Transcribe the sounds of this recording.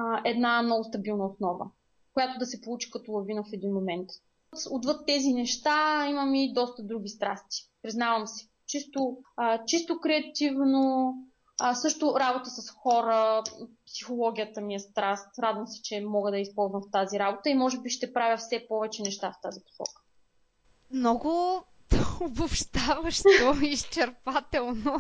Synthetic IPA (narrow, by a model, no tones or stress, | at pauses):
ʔɛd̪namnɔvʊst̪ɐbilˠnəosnɔvə̰ | kʊjat̪ʊd̪ɐsɛpolˠut͡ʃi̥kɐt̪olˠɐvinəfɛd̪inmomɛnt̪ | t̪od̪vɤt̪ːɛzinɛʃt̪aiməmid̪ɔst̪əd̪ɾuɡ̟ʲist̪ɾa̰st̪i̥pɾiznavəmsɛ̥ | t͡ʃist̪ot͡ʃist̪okɾɛɐt̪ivno | sɤʃt̪ʊɾabot̪əsɐsxɔɾəpsi̥xolˠɔɡ̟ʲijət̪əmiɐst̪ɾast̪ɾad̪vəmsɛ̥t͡ʃɛmɔɡəd̪ɐispɔlˠzvɐmft̪aziɾabot̪əimɔʒɛbiʃt̪ɛpɾavʲjəfsɛpɔvɛt͡ʃɛnɛʃt̪aft̪azipo̥sɔ̰kə̥ | mnɔɡʊ | ʊbʊpʃt̪avəʃɔist͡ʃɛɾpat̪ɛlˠno